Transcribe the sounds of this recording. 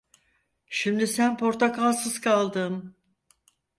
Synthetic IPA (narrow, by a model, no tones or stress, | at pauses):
ʃimd̪isænpʰo̞ɾt̪ʰakalˠsɯz̥kʰalˠd̪ɯm